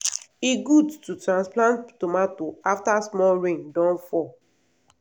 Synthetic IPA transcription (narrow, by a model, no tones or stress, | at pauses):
iɡudtutɹãnsplãnttomatoaftasmɔɹẽŋdɔ̃nfɔ